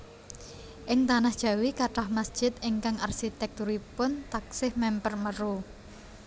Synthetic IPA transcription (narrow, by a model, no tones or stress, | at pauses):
ʔɪŋt̪anahd̥ʒ̥a̤wikaʈahmasd̥ʒ̥ɪ̤t̪̚ɪŋkaŋarsit̪ɛk̚t̪uɾipʊnt̪ak̚sɪhmɛmpərməɾu